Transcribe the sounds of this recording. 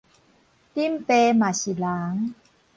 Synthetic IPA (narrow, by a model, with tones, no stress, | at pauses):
t̪i˥˨mpeː˧ma˨˩si˨˩laː˩˦ŋ